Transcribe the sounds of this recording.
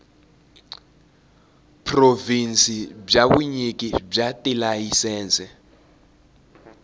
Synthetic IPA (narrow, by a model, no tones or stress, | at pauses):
pʰrovinsib͡ʐaβuɲikʼib͡ʐatʼilajisɛːnt͡sʼɛ